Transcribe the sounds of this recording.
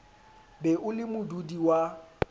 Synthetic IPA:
bɛʔʊlɪmʊdudiwa

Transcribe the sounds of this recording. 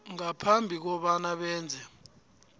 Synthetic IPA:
ŋapʰambʱik̬ɔɓanaɓɛːnd͡zʱɛ

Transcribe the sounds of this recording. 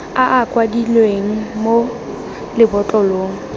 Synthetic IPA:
aʔakʼwadilweŋ̩mo | lɪbɔt͡ɬʼɔloːŋ̩

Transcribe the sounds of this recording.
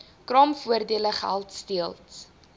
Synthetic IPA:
krɑmfuərdiələχæ̰lˠtstiəlˠt

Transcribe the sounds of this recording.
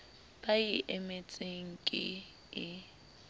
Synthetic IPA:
b̥aiʔɛmet͡sʼeŋ̩kʼɪ̰ | ɪ

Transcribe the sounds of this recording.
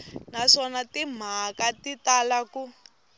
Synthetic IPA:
naʂɔnatim̤akatitalaku

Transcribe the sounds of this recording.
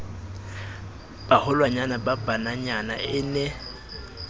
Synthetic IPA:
b̥ahʊlwaɲanababanaɲana̰ʔɪnɛ

